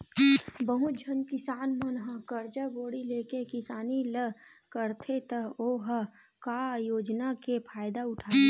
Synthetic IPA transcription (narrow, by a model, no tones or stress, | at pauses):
bəɦud͡ʒʱənkɪsaːnmɐnɦəkəɾd͡ʒəboːɽileːkekɪsaːnilə | kəɾt̪ʰet̪əɦoːɦə | kaːjoːd͡ʒnakepʰaːjd̪aʊʈʰaː